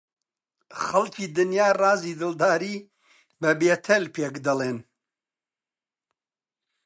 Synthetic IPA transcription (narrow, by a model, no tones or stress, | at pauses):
χɐlciːd̪ɨnjaːrɑːziːd̪ɨld̪aːɾiː | bɐbeːt̪ʰɐlpeːkd̪ɐleːn